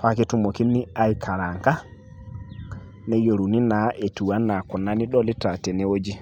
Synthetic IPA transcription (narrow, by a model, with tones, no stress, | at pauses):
fa˦ke˦tu˦mo˨ki˦nːi˦a˨jkʰa˨ɾa˨ŋka˦ | nɛ˦jo˨ɾu˨ni˦na˨ʔe˨tu˨wa˦nːa˨kɔ˨na˦ni˦ɗɔ˦li˦ta˨tɛ˨nɛ˦wo˦d͡ʒi˦